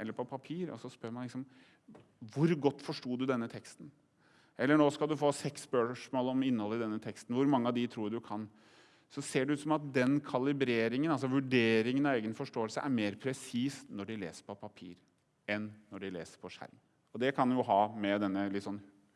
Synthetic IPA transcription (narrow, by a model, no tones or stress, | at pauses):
ɛlːəɾpʰɔpʰɑpʰiːɾɔ̰sɔspœɾmɑnlɪksɔm | ʋʊɾɡɔt̪ːfɔʂʈuːd̪ʉd̪ɛnːət̪ʰɛkst̪n̩ | ɛlːəɳoːskɑld̪ʉfoːsɛksbøːʂmoːləɔmɪnːəhɔlːɪd̪ɛnːət̪ʰɛkst̪n̩ʋʊɾmɑŋːəɑd̪ɪt̪ʰɾuːɖʉkʰɑn | sɔseːɖɛʉːt̪sɔmɑt̪̚d̪ɛnkʰɑlɪbɾeːɾɪŋənɑlsɔʋʉɖeːɾɪŋənɑeːɡənfɔʂʈoːəlsə̰ʔæɾmeːɾpʰɾɛsiːsnɔɖɪlḛːsə̥ɾpʰɔpʰɑpʰḭːɾ | ɛnːɔɖɪlḛːsəɾpʰɔʂæ̰ɾm | ɔd̪ɛkʰɑnjʊɦɑːmɛd̪ɛnːəlɪt̪ːsɔnː